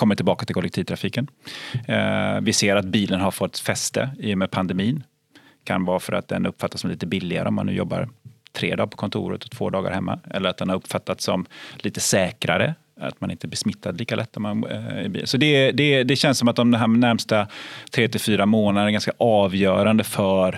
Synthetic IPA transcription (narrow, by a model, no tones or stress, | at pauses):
kɔmːəʈʰɪlbɑːkat̪ɪlkʰɔlɛkt̪ʰiːvt̪ʰɾafiːkən | vɪseːɾat̪̚biːlənɦaɾfɔt̪ːfɛst̪ə̰iːjəmɛːpʰand̪ɛmiːn | kʰa̰nvɑːfœɾa̰t̪̚d̪ɛnʔɵpːfat̪ːasɔmɛliːt̪əbɪlːɪɡa̰ɾʔəɔmːa̰nːʉ̟ːjɔ̰bːa̰ɾt̪ʰɾḛːd̪ɑːpʰɔ̥kʰɔnt̪ʰṵːɾət̪ɔt̪ʰv̥o̰ːd̪ɑːɡa̰ɾhɛmːa̰ʔɛ̰lːəɾat̪̚d̪ɛnhaɾɵpːfat̪ːat̪sɔmliːt̪əsɛːkɾaɾə̰ | a̰t̪manɪnt̪əɛbɛsmɪt̪ʰːad̪liːkalʔɛt̪ːɔmanɪ̰bḭlənsɔd̪ɛd̪ɛd̪ɛɕɛnsɔmat̪̚d̪ɔmd̪ɔmɦæːɛnæɾmst̪at̪ʰɾeːt̪ɪlfyːɾamoːnad̪nɛɾɡanskaʔɑːvjœːɾand̪əfœɾ